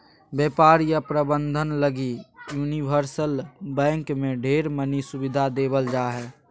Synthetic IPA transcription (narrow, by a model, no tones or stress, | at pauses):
beːpaːɾjəpɾəbə̃nd̪ʱənləɡijuːnibəɾsəlbɛ̃ːŋkmẽɖʱeːɾmənisʊbɪd̪ʱad̪eːbəld͡ʒaːɦɛː